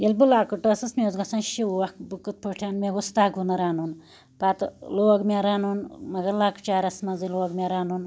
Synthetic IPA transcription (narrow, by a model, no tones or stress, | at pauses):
jilbulaːkuʈoːsɐsmʲoːzɡɐsɐnʃiuɐkbukːɨt̪̚pʰoʈʰaːnmeɡust̪aːɡunɐɾaːnun | pat̪loːɡmʲaɾaːnunmɐɡɐlaːkt͡ʃaːɾɐsmɐziloːɡmʲaɾaːnun